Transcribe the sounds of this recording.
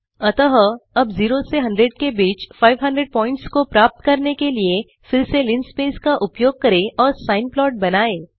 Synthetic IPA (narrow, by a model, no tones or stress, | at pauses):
ɐt̪əɦəɐbziːɾoseɦɐ̃ɳɖɾeɖkebiːt͡ʃfaːɪʋɦɐ̃ɳɖɾeɖ̚pɔ̃ːɪ̃ɳʈskopɾaːp̚t̪kɐɾnekelie | fɪlselɪnspeːskaʔʊpjoːɡ̚kɐɾẽʔɔːɾsaːɪnplɔːʈ̚bɐnaːeː